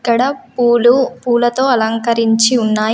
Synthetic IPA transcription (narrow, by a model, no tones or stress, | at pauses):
kːɐɽɐpːlupuːlɐt̪o̞ːɐlɐŋkɐɾiɲt͡ʃiunːaː